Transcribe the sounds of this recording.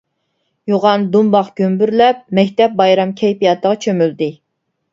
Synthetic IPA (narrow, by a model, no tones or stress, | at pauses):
joʁɑnd̪umbɑqɡ̥ʲømbyɾlɛp̚mɛkʲt̪ɛp̚bɑjɾɑmkʲʰɛjpijɑt̪ʰəʁɑt͡ʃʰømyld̪ɪ